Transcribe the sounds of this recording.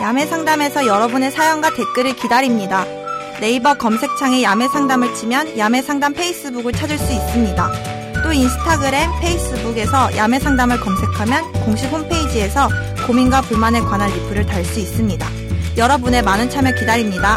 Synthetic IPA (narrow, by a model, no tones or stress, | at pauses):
jame̞sʰaŋdame̞sʰʌjʌɾʌbune̞sʰajʌŋɡwate̞k͈ɯɾɯɭkidaɾimɲida | ne̞ibʌkʌmsʰe̞k̚t͡ɕʰaŋejame̞sʰaŋdamɯɭt͡ɕimjʌnjame̞sʰaŋdampʰe̞is͈ɯbuɡɯɭt͡ɕʰad͡ʑɯɭs͈uis͈ɯmɲida | t͈oinsʰɯ̥tʰaɡɯɾe̞npʰe̞is͈ɯbuɡe̞sʰʌjʔame̞sʰaŋdamɯɭkʌmsʰe̞kʰamjʌnkoŋɕʰihompʰe̞id͡ʑie̞sʰʌ | kominɡwapuɭmane̞kwanɦaɭːipʰɯɾɯɭtaɭs͈uis͈ɯmɲida | jʌɾʌbune̞manɯnt͡ɕʰamjʌkidaɾimɲida